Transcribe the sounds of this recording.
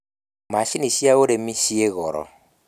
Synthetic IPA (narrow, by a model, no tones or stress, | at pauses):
maʃinisiaoɾemisieɣɔɾɔ̰